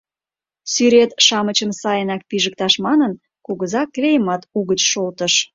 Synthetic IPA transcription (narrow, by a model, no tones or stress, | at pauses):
syɾet̪ʃɑmət͡ɕəmsɑjənɑk̚piʒəkt̪ɑʃmɑnən | kuɣəzɑklʲejəmɑt̪uɣət͡ɕʃolt̪əʃ